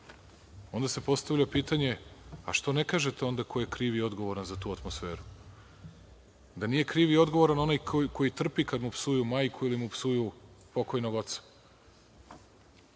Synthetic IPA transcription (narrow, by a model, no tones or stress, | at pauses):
o̞nd̪ase̞po̞st̪aʋʎʲapiːt̪aɲe̞a̰ʃt̪o̞ne̞kaːʒe̞t̪eo̞nd̪akʰo̞je̞kɾiːʋio̞d̪ɡo̞ʋo̞ɾanzat̪uːat̪mo̞sfe̞ːɾu | d̪anije̞kɾiːʋio̞d̪ɡo̞ʋo̞ɾano̞najkko̞jit̪r̩pikad̪mupsujumaːjkʰuilimupsujupo̞ko̞jnoɡo̞t̪sḁ